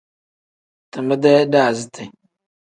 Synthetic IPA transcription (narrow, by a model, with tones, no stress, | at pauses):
tə˨mə˦dɛ˦da˦˨zi˦tʰə˨